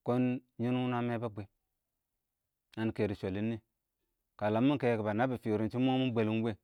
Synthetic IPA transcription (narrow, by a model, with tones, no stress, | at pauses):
ko˦n | ɲi˦n˦u˦na˦me˦ba˦be˨ | a˨n˨ke˨ɾi˨ʃʷo˨li˦nːi˦ | ka˨la˨mːu˦ke˨ki˨ba˨na˦bi˨fi˨ɾi˨nt͡ʃi˦m˦o˦mu˦n˦bʷe˨li˦be˦